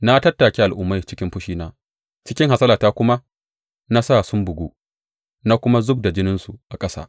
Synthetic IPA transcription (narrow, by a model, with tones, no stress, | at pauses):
na˦tɐ˦tːaː˨kʲe˦ʔa˨lʔʊ˦mːa˦jt͡ʃɪ˦kʲɪ˦mɸʊ˦ʃiː˦naː˦ | t͡ʃɪ˦kʲɪ˦ŋha˨sɐ˦laː˨taː˦kʷʊ˦ma˦ | na˦saː˦˨sʊ˦mbʊ˨ɡʷu˦ | na˦kʷʊ˦ma˦zʊ˦b̚da˨d͡ʒɪ˦nɪ˦nsu˨ʔa˨kʼɐ˦sa̰˦˨